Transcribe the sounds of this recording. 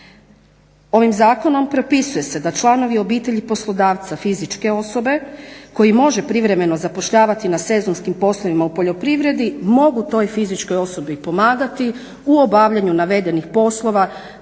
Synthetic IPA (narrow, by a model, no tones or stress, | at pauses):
o̞ʋimzaːko̞no̞mpɾo̞pisuje̞se̞d̪at͡ʃlˠano̞ʋio̞biːt̪e̞ʎipo̞slˠo̞d̪aːʋt̪safizit͡ʃke̞o̞so̞be̞ko̞jimo̞ʒe̞pɾiʋɾe̞me̞no̞zapo̞ʃʎaːʋat̪inase̞zonskimpo̞slˠoʋimaupo̞ʎo̞pɾiʋɾe̞d̪imo̞ɡut̪o̞jfizit͡ʃko̞jo̞so̞bipo̞maːɡat̪i | uobaːʋʎaɲunaʋe̞d̪e̞nixpo̞slˠo̞ʋa